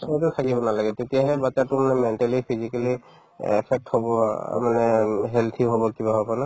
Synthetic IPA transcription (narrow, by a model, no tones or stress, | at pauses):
tʊtʰakibɔnalaɡɛtetijaɦɛbatatʊmanɛmɛntalipʰizikali | ɛpʰɛk̚thɔbɔ̰manɛɦɛlt̪ʰiɦɔbɔkibaɦɔbɔna